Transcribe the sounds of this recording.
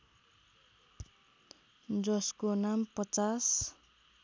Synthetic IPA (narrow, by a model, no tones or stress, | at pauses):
d͡zʌskonampʌt͡sas